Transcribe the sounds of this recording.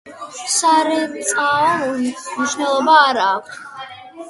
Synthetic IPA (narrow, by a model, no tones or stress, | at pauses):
saɾɛt̪sʼaɔniʃvnɛlˠɔbaːɾaːkʷʰt̪ʰ